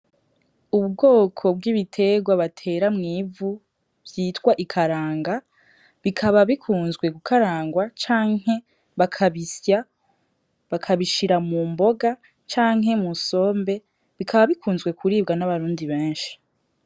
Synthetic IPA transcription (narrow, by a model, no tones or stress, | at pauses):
uβɡo̞ːkʰo̞bɡiβitʰe̞ɡwaβatʰe̞ːɾamŋiːvu | bjiːtɡwaʔikʰaɾaːŋɡa | βikʰaβaβikʰuːnzɡwe̞ɡukʰaɾaːŋɡwat͡ʃaːŋ̥ɦe̞ | βakʰaβisja | βakʰaβiʃiɾamuːmbo̞ɡa | t͡ʃaːŋɦe̞muso̞ːmbe̞ | βikʰaβaβikʰuːnzɡwe̞kʰuɾiːb̚ɡanaβaɾuːndiβeːnʃi̥